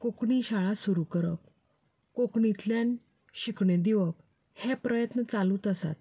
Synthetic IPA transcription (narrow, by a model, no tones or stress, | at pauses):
kokɳiɕaɭasuɾukəɾək̚ | kokɳit̪ljan | ɕikɳed̪iʋək̚ | hepɾəjət̪nət͡saluːt̪əsa̰t̪̚